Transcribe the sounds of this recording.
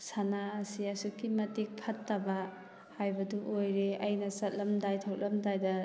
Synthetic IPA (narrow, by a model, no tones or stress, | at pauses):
sanaːsiɐsukːimɐtik̚pʰɐtːɐbɐ | hajbɐduʔojɾeɐjnɐsɐt̚lɐmdajtʰɐw̚lɐmdajdɐ